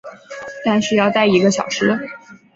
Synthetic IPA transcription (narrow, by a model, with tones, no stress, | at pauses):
t̪a˥˧nʂɻ̩˥˧jɑ˥˧ʊt̪a˥˩ɪi˧˥ɡə˧˩ɕ̬jɑ̰˨˩ʊʂɻ̩˥